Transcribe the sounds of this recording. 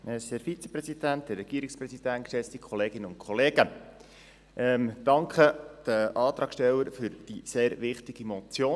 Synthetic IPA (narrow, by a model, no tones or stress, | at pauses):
ɛsæɾfit͡sɛ̥pɾɛsidænt̚d̥̪ərːɛɡ̥iəɾɪkspɾɛsid̥æntkʃɛt͡st̪ikʰɔleːɡɪnəʊntkʰχɔleːɡ̥ə | ʔɛmd̥ɑŋkχəd̥əʔɑːt̪ɾɑːkʃtɛlːəɾfʏɾd̥iseːɾʋɪχtiɡ̥imɔt͡sjoː